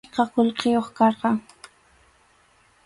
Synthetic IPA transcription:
qɑqolqejoχkɑɾqɑŋ

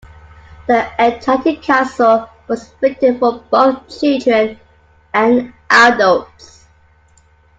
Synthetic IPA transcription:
ðiətʰatʰɪkʰaˑsəlˠ | wɒz̥fɪk̚tɪdfəb̥oʊθt͡ʃʰɪlˠdɹə̃n | ə̃nʔadəlˠts

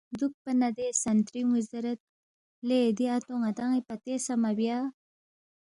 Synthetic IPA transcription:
d̪uk̚pɐnad̪esɐnt̪ɾimuzɐɾɐt̪̚ | leːd̪iat̪oŋat̪aŋipɐt̪esamabja

